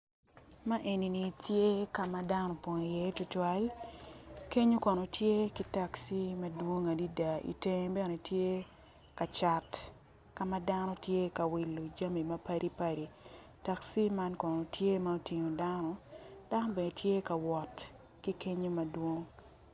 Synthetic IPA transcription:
ma˦ʔe˨ni˨ni˨tje˦ka˨ma˨da˦nɔ˨pɔ˨ŋi˨je˦tʊ˦twa˦l | ke˦ɲo˦kɔ˨no˨tje˦ki˦ta˨ksi˦ma˦dwo˦ŋa˨di˦da˨ḭ˨te˦ŋ˦bɛ˦no˨tje˦ | ka˨t͡ʃa˨t | ka˨ma˦da˦nɔ˦tje˦ka˨wi˨lːo˨d͡ʒa˦mi˨mɐ˦pa˦ɾʔi˦pa˦ɾi˨ | ta˨ksi˦ma˦nkɔ˨no˨tje˦ma˦o˦ti˨ɲo˨da˦nɔ˨d̥a˦nɔ˦be˨ne˨tje˦ka˨wɔ˨t | ki˦ke˦ɲo˦mɐ˨dwo˦ŋ

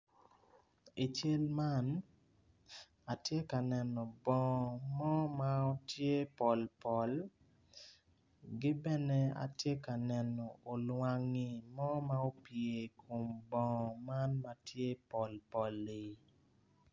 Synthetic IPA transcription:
i˨t͡ʃe˦lma˦n | a˨tje˦ka˨nɛ˨nɔ˨bɔ̃˨mɔ˦ma˦o˦tje˦pɔ˨lpɔ˨l | ɡɪ˦bɛ˦ne˦a̰˨tje˦ka˨nɛ˨nɔ˨o˨lwa˦ŋi˨mɔ˦ma˦o˦pje˨kʰo˨mbɔ̃˨ma˦nma˦tje˦pɔ˨lpɔ˨li˨

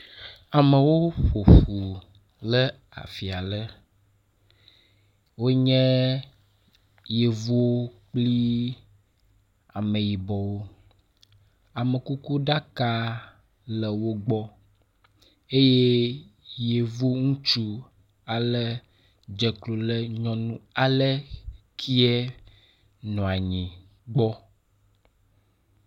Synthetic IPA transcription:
a˨mə˨wo˦ɸo˨ɸu˨ | lɛ˦ | a̰˨fi˨a˨lə˦ | wo˦ɲɛ̃˦ | je˨vu˦wo˦k͡pli˦ | a˨mẽ˨ji˨bɔ˨wo˦ | a˨mə˨ku˦ku˦ɖa˦ka˦ | lɛ˨wo˦ɡ͡bɔ˦ | e˦je˦ | je˨vo˦ŋũ˦t͡ʃu˦ | a˨lɛ˦ | d͡ʒɛ˨klo˨lɛ˦ɲɔ̃˦nũ˦a˨lɛ˦kʰi˦ɛ˦ | nɔ̃˨a˨ɲĩ˨ | ɡ͡bɔ˦

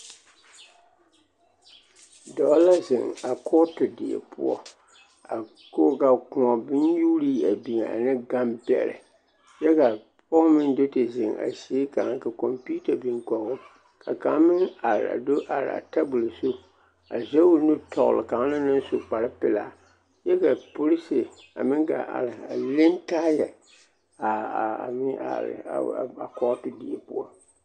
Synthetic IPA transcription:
dɔ˦la˦zɪ̰˨ŋa˨kʰɔ˦tɨ˨dḭ˨ḛ˨pʰʊ̰˦ɔ̰˦ | a˨ | ko˦ka˨kʊ̃˨ɔ˨bɪ˦nju˦ɾiː˦a˨bi˨ŋ˨a̰˨nɨ˦ɡa˦mbɛ̰˨ɾɪ̰˨ | jɛ˦ka˨ | pɔ˦mɨ˦ndo˦tɨ˨zɪ˨ŋa̰˨si˨˦e˦ka˨ŋ˦ka˨kɔ˨mpu˦ta˨bi˨ŋkɔ˨ɣʊ˦ | kʰa˨ka˨˦mɪ˦ŋa˨ɾɪ̰˨a̰˨do˦ʔa˨ɾɪ̰˨a̰˨ta˦bʊ˨lsu˦ | a̰˨zɛ˦ʊ˦nʊ˦tɔ̰˨ɣlɪ̰˨ka˨ŋ˦nɪ˦nɪ˦n˦so˨k͡pa˨ɾɪ˦pɪ˨la˨ | jɛ˦ka˨pʊ˦ɾɪ˦sɪ˨ | a̰˨mɪ˦ŋɡa̰˨a̰˨ɾɪ˨a̰˨lɪ˦ntaː˦jɛ˨ | a˨a̰˨mɪ˦a̰˨ɾɪ̰˨a̰˨a˨kɔ˦tʊ˦di˨e˨pʊ˦ɔ̰˦

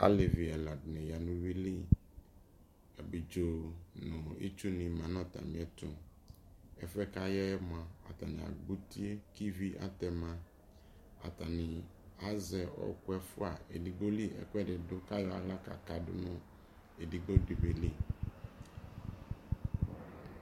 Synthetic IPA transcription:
a̰˦le˨vi˨ɛ˨la˨dnɛ̃˨ja˨nũ˦vi˦li˦ | a˨bi˨d͡ʒo˨nɔ̃˨ḛ˦t͡ʃu˦nĩ˨mã˨nɔ̃˦t̪a̰˨mĩ˨ɛ˦t̪ʊ̃˨ | ɛ˦fɛ˦ka˦jɛ˦ɛ˦mõ˨ã˨a̰˨t̪a˨nḭ̃˨a̰˨ɡ͡bu˦t̪i˦e˦ki˦vi˦ʔa̰˦t̪ɛ˨mã˦ | a̰˨t̪a˨nĩ˨ | a˦zɛ˨ɔ̰˦ku˦ɛ˦fu˦a˨ḛ˨di˨ɡ͡bo˦li˦ɛ̰˦kʷɛ˦ɖɛ˨do˦ka˦jɔ˨a̰˨la˦ka̰˨ka˨dʊ̰˦nɔ̃˦ | e˨di˨ɡ͡bo˦di˨be˨li˦

